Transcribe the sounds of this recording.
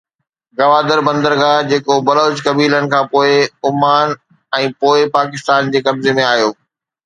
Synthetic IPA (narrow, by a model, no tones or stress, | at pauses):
ɡɐʋaːd̪əɾbɐ̃nd̪əɾɡaːd͡ʑeːkobɐloːd͡ʑkɐbiːlənɪ̆kʰãːpoːɪʊmaːn | ɛ̃ːpoːɪpaːkɪst̪aːnd͡ʑeːkɐbzemẽaːɦjoː